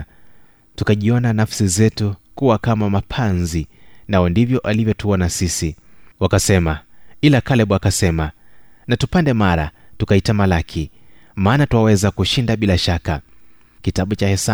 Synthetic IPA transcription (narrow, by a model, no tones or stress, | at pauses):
tukaʄiɔnanafsizɛtukuwakamamapʰanzinaɔndivjɔʔalivjɔtuɔnasisiwakasɛmailakalɛɓakasɛmanatupandɛmaɾa̰tukaitamalakʰi | maːnatuwawɛzakuʃindaɓilaʃaka̰ | kitaɓut͡ʃahɛsa